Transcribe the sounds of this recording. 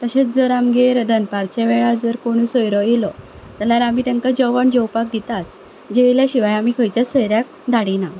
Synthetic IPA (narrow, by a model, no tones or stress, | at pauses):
t̪əɕet͡sd͡zəɾamɡeɾəd̪ənpaɾt͡ɕeʋeɭald͡zəɾkoɽ̃usəjɾɔjelɔ | t̪aljaɾamiːt̪ə̃ŋkad͡ʑəʋəɳd͡ʑəwpak̚d̪it̪as | d͡ʑeʋljaɕiʋajamiːkʰəjt͡ɕjasəjɾjak̚ | d̪ʱaɽina